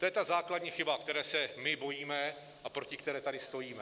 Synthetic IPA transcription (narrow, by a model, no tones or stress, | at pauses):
t̪ojɛt̪azaːkladɲiːxɪbakt̪ɛɾɛːsɛmɪbo̞jiːmɛ | ʔapɾo̞cɪkt̪ɛɾɛːt̪adɪst̪o̞jiːmɛ